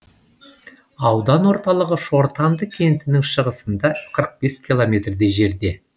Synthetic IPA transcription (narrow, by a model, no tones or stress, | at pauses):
ɑwd̪ɑnwo̞ɾt̪ɑlˠəʁəʃoɾt̪ɑnd̪əkʲʰe̞nt̪ɪnɪŋʃəʁəsənd̪ɑqʰəɾəq̚b̥e̞skʲʰilˠo̞mʲe̞t̪rd̪eʒe̞ɾd̪e̞